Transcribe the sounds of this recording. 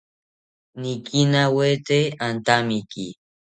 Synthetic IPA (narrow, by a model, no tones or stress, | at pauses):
nikinawet̪eant̪amikḭ